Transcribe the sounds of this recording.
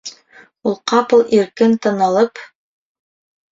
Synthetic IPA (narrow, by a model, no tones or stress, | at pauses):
ulˠqɑpɤ̆lˠiɾkɘnt̪ɑ̆nɑlˠɤp